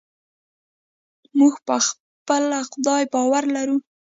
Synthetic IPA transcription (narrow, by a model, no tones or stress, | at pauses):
muɡpəx | pəlaxʊd̪ɑjbɑwaɾlaɾu